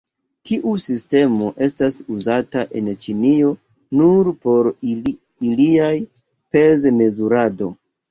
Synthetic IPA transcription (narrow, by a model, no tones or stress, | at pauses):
tiʔusiste̞mo̞ʔe̞stasuzataʔe̞̰nt͡ʃinio̞ | nuɾpo̞ɾ | iliaj | pe̞zme̞zuɾado̞